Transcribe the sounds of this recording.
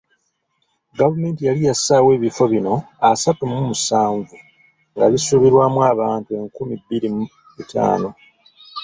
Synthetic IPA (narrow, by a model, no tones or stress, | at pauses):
ɡavume̞ːntijalijasaːwe̞ːβifo̞βino̞ | asatumumusaːɱvu | ŋɡaβisuːβiɾwaːmwaːβaːntue̞ŋkumibːiɾi | muta̰ːno̞